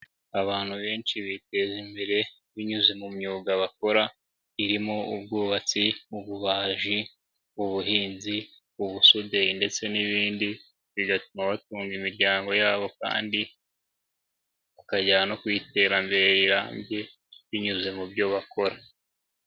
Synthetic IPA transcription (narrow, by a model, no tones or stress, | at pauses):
aβaːn̥huβe̞ːnt͡ʃiβite̞zimbe̞ɾe̞ | βiɲuze̞mumɲuːɡaβako̞ɾa | iɾimo̞ubɡuːβat͡siuβuβaːʒi | uβuɦiːnzi | uβusudeinde̞t͡se̞niβiːndi | βiɡatumaβatuːŋɡimiɾɟaːŋɡo̞jaːβo̞ka̰ːndi | βukaɟaano̞kwite̞ɾambe̞ɾeiɾaːmbje̞ | βiɲuze̞mubɟo̞βako̞ɾa